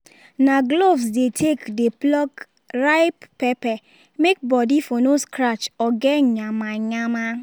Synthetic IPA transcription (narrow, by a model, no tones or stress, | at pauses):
naɡlovsdetʰekdeplɔk | ɾaɪppepɛ | mek̚bɔdifonoskɾat͡ʃɔɡɛɲamaɲama